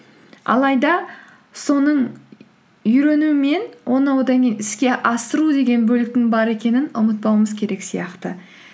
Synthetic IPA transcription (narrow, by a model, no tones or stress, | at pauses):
ɑ̰lˠɑjd̪ɑ | so̞nəɴ | ʏɾe̞nuɪme̞nwʔo̞nɑwd̪ɑŋkʲejnɪskʲe̞ʔɑst̪əɾud̪e̞ɡʲe̞nbɵlɪk̚t̪ɪŋbɑɾe̞kʲe̞nɪnʊmət̪̚pɑwəməzkʲʰe̞ɾe̞ksijɑqt̪ə